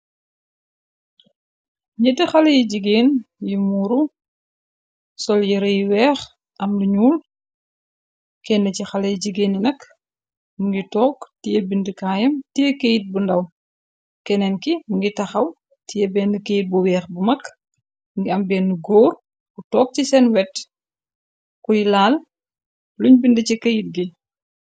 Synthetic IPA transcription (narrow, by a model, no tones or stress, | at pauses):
ɲɛdəxɐlɐjɟiɡeːnjimuːɾu | sɔljiɾɐjwɛːx | ʔɐmluɲuːl | kɛnːɐcixɐlɐjɟiɡeːnjinɐk | muŋɡitɔːktijɛbindəkaːjɐmtijɛkejit̚bundɐw | kɛnɛnkimuŋɡitɐxɐw | tijɛbɛːnːəkejit̚buwɛːxbumɐk | ŋɡiɐmbɛːnːuɡɔːɾ | kutɔːk̚cisɛnwɛt | kujlaːl | luɲbindəcikɐjit̚ɡi